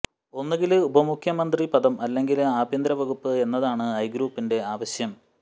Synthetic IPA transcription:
o̞nːeɣɡilubɐmukʰjɐmɐnd̪ripɐðɐmɐlːe̞ŋɡilaːbʱjɐnd̪ɾɐʋɐɣupːɨe̞nːɐðaːɳɨɐjɡɾuːpːinde̞aːʋɐɕjɐm

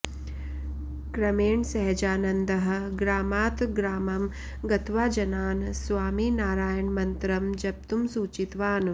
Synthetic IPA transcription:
kɾɐmeːɳsɐɦɛd͡ʒaːnɐnd̪ɐɦɐ̆ɡɾaːmaːt̪ɡɾaːmɐm | ɡɐt̪ʋaːd͡ʒɐnaːnsʋaːmiːnaːɾaːjɐɳmɐnt̪ɾɐmd͡ʒɐb̚t̪umsuːt͡ʃit̪ʋaːn

